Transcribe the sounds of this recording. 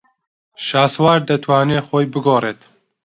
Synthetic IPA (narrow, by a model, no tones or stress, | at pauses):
ʃaːswaːɾd̪ɐt̪ʰwaːneːxoːjbɨɡoːreːt̪